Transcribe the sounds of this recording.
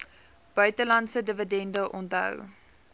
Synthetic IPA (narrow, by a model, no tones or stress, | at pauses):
b̥œɥtəlɐntsədəvədɛndəʔɔntɦœ̰w